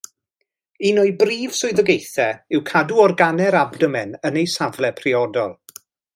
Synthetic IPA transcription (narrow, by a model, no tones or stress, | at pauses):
inʊɨbriːv̥sʊɨðəɡejθɛɪwkʰaduɔrɡanɛɾabdəmɛnənejsavlˠɛpʰriɔdɔlˠ